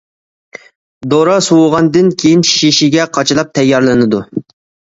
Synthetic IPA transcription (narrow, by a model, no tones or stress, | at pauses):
d̪oɾɑsuwʁɑnd̪ɨnkʲʰejinʃiʃiɡʲɛqʰɑt͡ʃʰilˠɑp̚t̪ʰɛjːɑɾlˠɨnɨd̪u